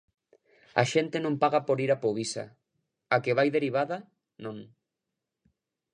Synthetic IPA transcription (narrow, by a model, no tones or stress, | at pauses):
a̰ʃent̪enõmpaɣapoɾiɾapoβisa̰ | akeβajðeɾiβ̞aða | nõŋ